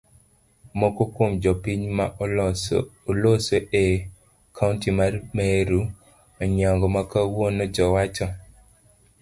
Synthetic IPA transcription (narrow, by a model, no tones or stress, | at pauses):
mokokomd͡ʒɔpiɲma | olosoʔe | kʰauntimarmeɾu | ɔɲaŋɡɔmakawonɔd͡ʒɔwat͡ʃɔ